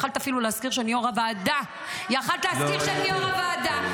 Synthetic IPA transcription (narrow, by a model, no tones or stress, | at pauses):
χalt̪afiluleskiʁʃeanijoʁavaːd̪a | jaχalt̪leaskiʁʃeanioʁavaːd̪a